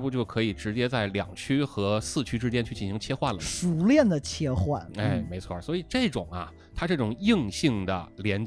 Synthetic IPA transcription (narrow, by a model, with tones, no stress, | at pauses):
pu˥˧t͡ɕjo˥˩ʊkʰɤ˧˥i˨˩ʈ͡ʂɻ̩˧˥t͡ɕjɛ˥t͡sa˥˩ɪljɑ̰˨˩ŋt͡ɕʰy˥xɤ˧˥sɹ̩˥˩t͡ɕʰy˥ʈ͡ʂɻ̩˥t͡ɕjɛ˥˧nt͡ɕʰy˥˩t͡ɕi˨˩ɕi˧˥ŋt͡ɕʰjɛ˥xwa˥˩nlə˨˩ʂu˧˥ljɛ˥˩nd̪ə˩t͡ɕʰjɛ˥xwa̰˥˩ne˥˩ɪ˧me˧˥ɪt͡sʰwɔ˥˩swɔ˧˥i˨˩ʈ͡ʂɤ˥˩ʈ͡ʂʊ˨˩ŋɐ̰˧ | t̪ʰa˥ʈ͡ʂɤ˥˩ʈ͡ʂʊ˨˩ŋi˥˧ŋɕi˥˩ŋd̪ə̰˩ljɛ˧˥nt͡ɕ